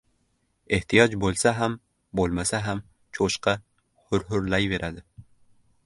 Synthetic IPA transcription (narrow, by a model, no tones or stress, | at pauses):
e̞ht̪ʰijɒd͡ʒbolˠsaɦam | bolˠmasaɦam | t͡ʃʰoʃqɑ | hʊɾɦʊɾlajve̞ɾʔad̪ɪ